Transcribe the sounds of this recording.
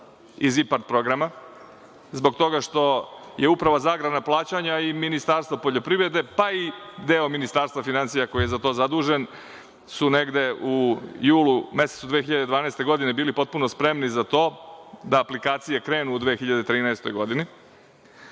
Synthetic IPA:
izipaɾt̪̚pɾo̞ɡɾama | zbo̞ɡt̪o̞ɡaʃt̪o̞jeupɾaʋazaːɡɾad̪naplˠaːt͡ɕaɲaiminist̪aːɾst̪vopo̞ʎo̞pɾiʋɾe̞d̪e̞paid̪eːo̞minist̪aːɾst̪vafinansijako̞jijezat̪o̞ːzad̪uːʒe̞n | sune̞ɡd̪e̞ujuːlume̞set̪sud̪ʋeːxiʎad̪e̞d̪ʋaːnaest̪e̞ɡo̞d̪inebiːlipo̞t̪̚punospɾe̞mnizat̪o̞ːd̪aːplikaːt̪sije̞kɾe̞ːnuːd̪ʋexiʎad̪et̪ɾiːnaest̪o̞jɡo̞d̪ini

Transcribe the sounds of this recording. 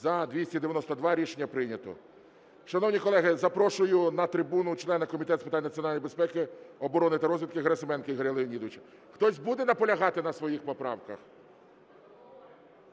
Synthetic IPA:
zɐd̪ʲʋʲisʲtʲid̪eʋjɐnɔst̪ɐd̪ʋɑɾʲiʃenʲːɐpɾɪnʲɐt̪ɔ̰ | ʃɐnɔwnʲikɔlˠɛɦɪzɐpɾɔʃʊjʊnɐt̪ɾɪbunʊt͡ʃlˠɛnɐkɔmʲit̪ɛt̪spe̥ɪt̪anʲnɐt͡sʲiɔnɑlʲjbespɛkɪɔbɔɾɔnɪt̪ɐɾɔzʋʲid̪t̪kɪɦɐɾɐsɪmɛnkɪiɦɐɾʲɐlˠɪnʲid̪ʋɪt͡ʃɐ̥ | xt̪ɔsʲbud̪ɛnɐpɔlʲɐɦɑt̪ɪnɐsʋɔjixpɔpɾɑ̰wkɐ̰x

